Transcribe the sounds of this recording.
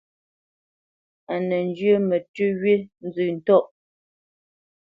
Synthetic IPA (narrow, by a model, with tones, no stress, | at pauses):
a˨nɛ˨n̩˦d͡ʒjə˦mɛ˨tʉ˦ɥe˦n̩˦zʉː˨n̩˨tɔ˦˨ʔ